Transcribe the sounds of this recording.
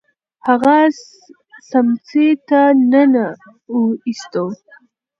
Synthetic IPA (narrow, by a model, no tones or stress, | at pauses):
haɣas | samt͡set̪anəna | uist̪ow